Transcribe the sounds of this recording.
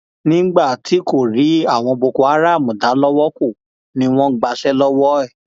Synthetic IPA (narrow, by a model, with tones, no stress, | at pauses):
nĩ˦ɡ͡ba˦˨tʰi˨˦ko˦˨ɾi˨˦a˦˨w̃ɔ̃˧bo˧ko˧a˨˦ɾa˦˨mũ˨da˨˦lɔ˦wɔ˦ko˦˨ | nĩ˧˦w̃ɔ̃˦ɡ͡ba˧sɛ˦lɔ˦wɔ˦ɛ˦˨